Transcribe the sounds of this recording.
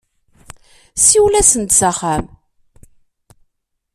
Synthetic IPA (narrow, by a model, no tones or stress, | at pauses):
siwlæsənt̪saχæm